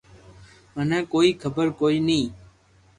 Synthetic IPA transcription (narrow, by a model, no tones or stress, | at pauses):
mənɛ̃ːkoːiːkʰəbəɾkoːiːnĩː